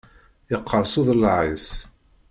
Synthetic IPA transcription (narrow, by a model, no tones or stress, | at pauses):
jəqʰːəɾˤsuðˤlːʕis